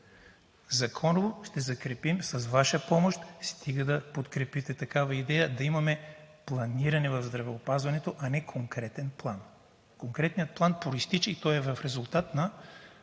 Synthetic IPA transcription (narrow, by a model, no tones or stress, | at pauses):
zɐkʰɔnovoʃt̪ɛzɐkɾɛpimsɐsvaʃəpɔmoʃt̪st̪ʰiɡəd̪ɐpot̪kɾɛpit̪ɛt̪ɐkavɐid̪ɛjəd̪ɐimɐmɛ | plˠɐniɾɐnɛvɐvzd̪ɾɐvɛopazvɐnɛt̪oʔɐnɛkʰoŋkɾɛt̪ɛnplˠan | koŋkɾɛt̪nijət̪̚plˠanpɾoist̪it͡ʃɛit̪ɔjɛvɐfɾɛzʊlˠt̪at̪nɐ